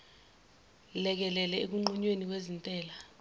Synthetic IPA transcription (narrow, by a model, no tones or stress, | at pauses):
lɛk̬ɛlɛlɛek̬uŋ͡ǃuɲwenik̬wezintʼɛːla